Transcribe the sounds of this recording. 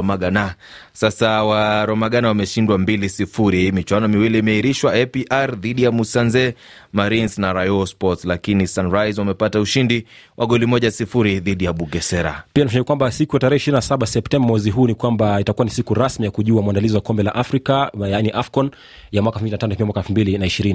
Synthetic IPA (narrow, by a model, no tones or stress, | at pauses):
ɔmaɡana | sasawaɾɔmaɠanawamɛʃindwambilisifuɾihiːmit͡ʃwanɔmiwiliːmɛiɾiʃwaɛpiʔaɾðiɗijamusanzɛ | maɾinsnaɾajɔspɔtslakinisanɾajzwamɛpatauʃindiwʔaɠɔlimɔʄasifuɾiðiɗijaɓuɡɛsɛɾa̰pianafaɲɛkakwambasikujataɾɛhɛiʃiɾinasaɓasɛptɛmbamwɛziɦuːnikwambaitakuwanisikuɾasmijakuʄuamwandaliziwakɔmbɛla̰ʔafɾikajaːniʔafkɔn | jamwakaɛfmbilinatanɔfimwakɛlfumbilinaiʃiɾini